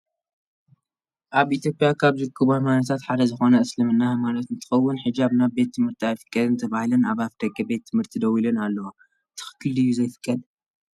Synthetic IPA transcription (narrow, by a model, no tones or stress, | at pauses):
ʔaβʔit̪ʰjo̞pʼjakʰaβzɨkʰːɨβamanɐt̪ʰat̪ħad̪ɐzɨxo̞nɐːslɨmɨnːamalɐt̪ɨnt̪ʰɨ̥xɐwːʊnħɨd͡ʒaβnaβbe̞t̪ʰːɨmhɨɾt̪ʰiajfɨ̥kʼːɐd̪ɨnt̪ʰɐβahlɐnaβafd̪ɐɡʼɐbe̞t̪ʰːɨmhɨɾt̪ʰid̪ɐwilɨnalːɐwa | t̪ʰɨ̥xɨ̥kʰːɨldɨjːuzɐjfɨ̥kʼːɐd̪